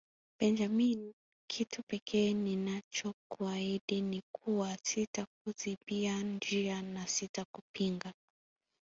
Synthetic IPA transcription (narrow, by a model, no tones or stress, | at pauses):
b̥ɛnd͡ʒamin | kʰitʰupɛkʰɛːninat͡ʃɔkuaiɗinikʰuwasitak̚uzibiand͡ʒianasitakupiŋɡa